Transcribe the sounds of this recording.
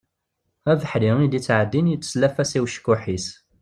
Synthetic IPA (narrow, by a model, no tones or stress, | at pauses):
ævəħɾiŋid̪it͡sːʕəd̪ːinjt͡sːslæfæsiwʃə̥kːʊħis